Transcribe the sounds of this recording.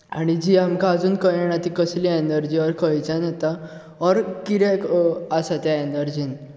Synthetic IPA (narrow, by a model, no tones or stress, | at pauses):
a̰ɽ̃id͡ʑiamkaːd͡zuːnkəjɛɳ̃at̪ikəsliɛnəɾd͡ʑiɔɾkəjt͡sanet̪a | ɔɾkiɾɛkasat̪jaenəɾd͡ʑiːn